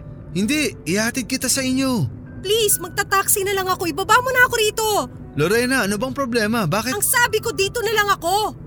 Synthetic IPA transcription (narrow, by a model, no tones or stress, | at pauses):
hɪnd̪iɪhahɐt̪ɪd̪̚kɪt̪asɐʔɪɲjo̞ | plismɐɡ̚t̪at̪aːksɪnɐlɐŋɐko̞ʔɪbɐbamʊnɐɐko̞ɾiːt̪o̞ | loɾɛnɐɐnobɐŋpɾoblɛːmɐbaːkɪɐŋsaːbɪko̞d̪iːt̪o̞nɐlɐŋɐko̞